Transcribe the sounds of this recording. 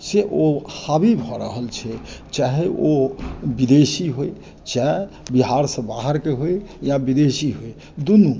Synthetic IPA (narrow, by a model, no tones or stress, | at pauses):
seʔohabibʱɔɾə̰ɦəlt͡ʃʰɛt͡ʃaɦeobid̪esiɦoe | t͡ʃa | biɦaɾsə̃baɦəɾkeɦojjabid̪eʃiɦoe | d̪unu